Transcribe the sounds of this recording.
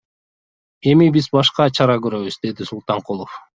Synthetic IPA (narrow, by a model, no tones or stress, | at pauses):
e̞mibizbɑʃqɑt͡ʃʰɑɾɑɡøɾø̞βyzd̪e̞d̪isulˠt̪ɑɴqulˠof